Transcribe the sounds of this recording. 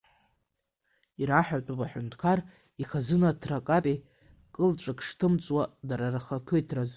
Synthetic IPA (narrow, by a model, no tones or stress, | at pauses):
iɾaħʷᶣatʼupʼaħʷᶣʊntʰkʰar | iχazɨnatʰrakʼapʼi | kʼɨlʈ͡ʂʼakʰʂtʰɨmt͡sʼwadaɾaraχakʰɨjtʰraz